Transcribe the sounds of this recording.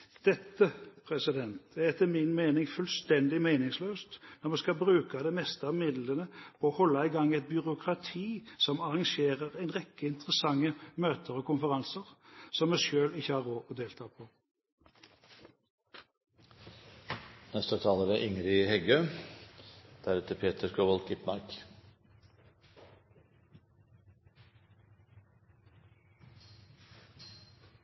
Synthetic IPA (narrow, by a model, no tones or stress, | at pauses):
d̪̥ɛt̪ːəpʰʁɛsɪd̪ɛnt̪æʁɛt̪ʰːəmɪnmeːnɪŋfʉlst̪ɛnd̪ɪmeɪnɪŋsløːst̪nɔʁmɛskɑbʁʉːkɑd̪ɛmɛst̪əmɪd̪lənəpʰɔːhɔlːɑɪɡɑŋːɛɪt̪̚bʏʁʊkʰʁɑt̪ʰiːsɔmɑʁɑŋʃeːʁəʁæɪnʁɛkːəɪnt̪əʁəsɑŋːəmøːt̪ʰəɾɔkʊnfəʁɑnsəʁsɔmɛsjøːlɪçːəhɑːʁoːd̪eːlt̪ʰɑːpʰɔ | nɛst̪ət̪ʰɑːləɾəʔɪŋɾɪhɛɡøː | d̪̥æɾʉːt̪əpʰeːt̪ʰəɾkʰoːʋɔlkɪpnɑɾk